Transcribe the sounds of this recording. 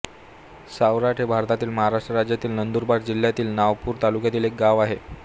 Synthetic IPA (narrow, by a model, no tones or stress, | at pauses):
sawɾaʈʰɦebʱaɾt̪at̪iːlməɦaɾaʂʈɾəɾad͡ʑjat̪iːlnənd̪uɾbaɽd͡ʑil̤jat̪iːlnaʋpuːɾt̪alukjat̪iːlek̚ɡaʋaɦe